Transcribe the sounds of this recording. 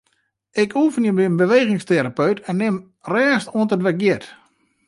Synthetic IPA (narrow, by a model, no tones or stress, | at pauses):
ɪkʰuːfənjəbiənbəʋeːɣɪŋsteɾapøɥtʰɛnːɪm | rɛːstuəntətʋɛɡjɪt